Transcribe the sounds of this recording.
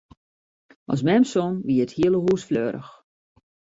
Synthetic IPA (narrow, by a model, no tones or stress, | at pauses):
ʔɔ̰s̬mɛmsonʋiəəthiələɦuːsfløːɾə̰x